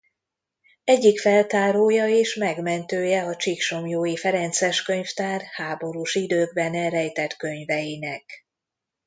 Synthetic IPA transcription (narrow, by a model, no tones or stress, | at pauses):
ɛɟːikfɛlt̪aːɾoːjɒeːʃmɛɡmɛnt̪øːjɛɒt͡ʃikʃo̞mjoːjifɛɾɛnt̪sɛʃkøɲft̪aːrhaːbo̞ɾuʃid̪øːɡbɛnɛɾɛjt̪ɛt̪kø̞ɲvɛjinɛk